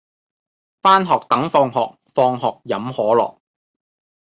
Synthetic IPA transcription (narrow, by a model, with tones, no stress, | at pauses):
faː˥nɦɔː˨k̚t̪ɐ˨˥ŋfɔː˧ŋɦɔ̰ː˨k̚fɔː˧ŋɦɔː˨k̚jɐ˨˥mhɔː˨˥lɔ̰ː˨˩k̚